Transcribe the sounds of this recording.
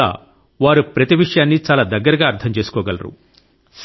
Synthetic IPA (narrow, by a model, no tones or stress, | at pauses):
a̰ː | ʋaːɾupɾɐt̪iʋiʂɐjaːnːit͡ʃaːlaːd̪ɐɡːɐɾɐɡaːɐɾt̪ʰɐmt͡ʃe̞ːsu̥kɔːɡɐlɐ̰ɾṵ | s